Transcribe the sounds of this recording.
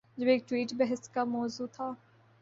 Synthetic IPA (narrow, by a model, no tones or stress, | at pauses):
d͡ʒɐbeːk̚ʈwiːʈbɛɦəst̪kamɔːzuːt̪ʰaː